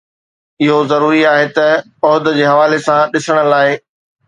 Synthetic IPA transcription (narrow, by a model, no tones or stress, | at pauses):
ɪɦozɐɾuːɾiaːɦet̪ɐ | ɔːd̪d͡ʑeːɦɐʋaːlesãɗɪsəɽ̃ə̆laːɪ